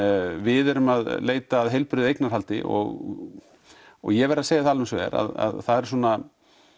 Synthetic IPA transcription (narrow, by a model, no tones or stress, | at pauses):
vɪðɛɾʏmaðleːjt̪aːðɦejlpɾʏðɪejknaɾ̥halt̪ɪʔɔ̰ɣ | ɔɣjɛvɛɾaseːjat̪ʰalɛnsvɛ̰ɾa̰ða̰ðθaðɛɾ̥s̬wuɔna